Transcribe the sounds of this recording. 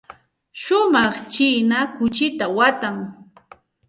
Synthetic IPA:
ʃʊmɑχt͡ʃinakʊt͡ʃɪt̪awat̪aŋ

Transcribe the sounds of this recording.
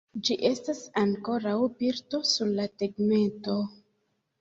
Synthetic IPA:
d͡ʒiʔe̞stasaŋko̞ɾawpiɾto̞suɾlateɡme̞nto̞

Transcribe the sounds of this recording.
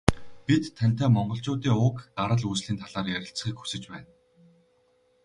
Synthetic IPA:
pit̪ʰːæn̥ʲt̪æːmɔɴɢɞ̆ɬt͡ɕʊːt̪iːŋʊkt̪aɾə̆ɮuːsɮiːnt̪ʰaɮaːrjæɾʲɪ̆ɬt͡sχiːkxu̥sɘ̆t͡ɕpæːn

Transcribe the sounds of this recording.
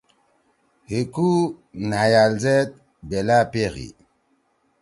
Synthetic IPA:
hekunajalzɛt̪̚ | bɛlapeɣḭ

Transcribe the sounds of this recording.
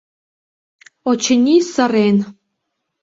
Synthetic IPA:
ot͡ɕənʲisə̆ɾen

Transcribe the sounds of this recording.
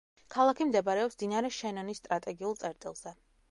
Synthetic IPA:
kʰalˠakʰimd̪ɛbaɾɛɔpsd̪inaɾɛʃɛnɔnisːt̪ʼɾat̪ʼɛɡiulˠt̪sʼɛɾt̪ʼḭlˠz̥ɛ

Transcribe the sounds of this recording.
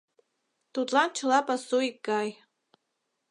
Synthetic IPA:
tʰut͡ɬʼant͡ʃʰɨlapʼasoiɡaːj

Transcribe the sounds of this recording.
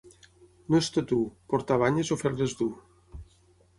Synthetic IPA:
nost̪at̪upoɾt̪aβaɲezofeɾðezd̪u

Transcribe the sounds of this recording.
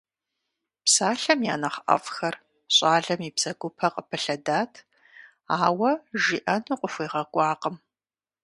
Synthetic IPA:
psaːɬɐmja̰ːnɐχʔɐ̰fxɐr | ɕʼaːɮɐmiːbz̥ɐɡʷʊpʰɐqʼəpʰɨɬɐdaːtʰ | aːwɐʒiʔɐnuqʷʼʊfʷiːʁɐkʷʼɑːqəm

